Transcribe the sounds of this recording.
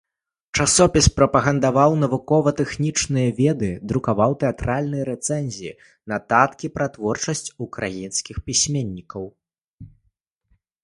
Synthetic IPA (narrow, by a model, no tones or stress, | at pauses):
t͡ʂasɔpʲispɾɐpɐɣɐnd̪avawnɐvukɔvɐt̪ɛxnʲit͡ʂnɨjɐvʲɛd̪ɨd̪ɾukavawt̪ɛat̪ɾalʲnɨjɐɾɛt̪sɛnʲzʲijḭ | nɐt̪at̪kʲipɾat̪vɔrt͡ʂɐsʲt͡sʲukɾajinskʲixpʲisʲmʲenʲːikɐw